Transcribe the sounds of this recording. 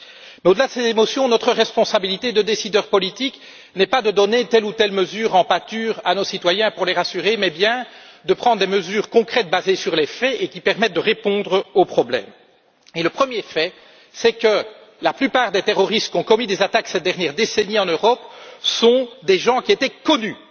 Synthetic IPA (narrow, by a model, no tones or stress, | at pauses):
mɛod̪əlad̪əsezemɔsjɔ̃nɔt̪χəʁɛspɔ̃sabilit̪ed̪əd̪esid̪œːʁpɔlit̪ik | nɛpad̪əd̪ɔnet̪ɛlut̪ɛlməzyːʁɑ̃pat̪yːʁa̰nosit̪wajɛ̃puʁleʁasyʁemɛbjɛ̃d̪əpχɑ̃d̪ʁd̪eməzyːʁkɔ̃kχɛt̪̚bazesyʁlefɛekʲipɛʁmɛt̪̚d̪əʁepɔ̃d̪ʁopχɔblɛ̰m | eləpχəmjefɛ | sɛkə | laplypaːʁd̪et̪eʁɔʁist̪kʲɔ̃kɔmid̪ezat̪aksɛt̪̚d̪ɛʁnjɛʁd̪esɛniɑ̃nøʁɔpsɔ̃d̪eʒɑ̃kʲiet̪ɛkɔny